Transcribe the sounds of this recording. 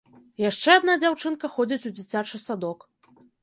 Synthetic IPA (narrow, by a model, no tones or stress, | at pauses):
jaʂt͡ʂɛad̪nad͡zʲawt͡ʂɨnkɐxɔd͡zʲit͡sʲud͡zʲit͡sʲat͡ʂɨsad̪ɔk